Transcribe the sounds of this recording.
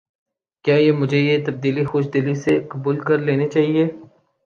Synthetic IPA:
kjaːjemʊd͡ʒʱejet̪ɐb̚d̪iːlixoːʃd̪ɪlisekɐbuːlkɐɾleːnet͡ʃaːɦieː

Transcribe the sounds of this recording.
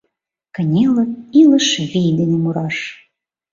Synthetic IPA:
kə̆nʲelə̆ilˠəʃvʲijd̪ʲenʲemuɾɑʃ

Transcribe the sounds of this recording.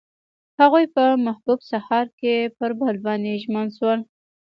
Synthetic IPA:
haɣujpəmahbubsahɑɾkepəɾbalbɑnd̪eʒmənʃwəl

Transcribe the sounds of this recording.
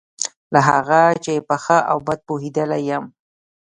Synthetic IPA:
laɦaɣat͡ʃepəxəʔa̰wbad̪̚poɦid̪əlajəm

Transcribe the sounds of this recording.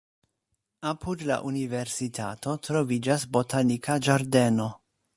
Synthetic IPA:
apʰudla̰ʔunive̞ɾsitʰa̰to̞tɾo̞vid͡ʒasbo̞tʰanikʰad͡ʒaɾde̞no̞

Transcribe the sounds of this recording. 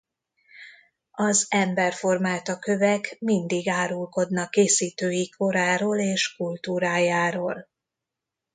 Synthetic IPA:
ɒzɛmbɛrfo̞rmaːt̪ɒkø̞vɛkmind̪iɡaːɾulko̞d̪nɒkːeːsiːt̪øːjiko̞ɾaːɾoːleːʃkult̪uːɾaːjaːɾoːl

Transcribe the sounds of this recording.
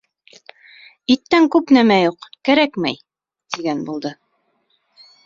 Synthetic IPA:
it̪ːæŋkʉpnæmæjuqkæɾækmæj | t̪iɡænbulˠd̪ɤ

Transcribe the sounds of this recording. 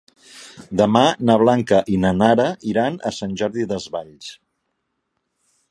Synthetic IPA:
d̪əmanəβ̞laŋkəʔinanaɾəiɾanə̰sanʲʒɔɾðiðəzβaʎs

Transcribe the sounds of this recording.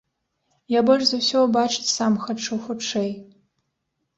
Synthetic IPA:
jabolʲʃzɐwsʲobaʈ͡ʂʰɨ̥tsamxɐʈ͡ʂʰɐwxuʈ͡ʂʰej

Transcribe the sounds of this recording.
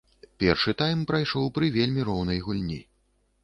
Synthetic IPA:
pʲɛrʂɨt̪ajmpɾajʂɔwpɾɨvʲelʲmʲiɾɔwn̪ɐjɣulʲnʲḭ

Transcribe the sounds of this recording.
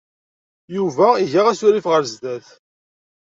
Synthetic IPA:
juvæiʝaʁæsʊɾifʁəɾzd̪æθ

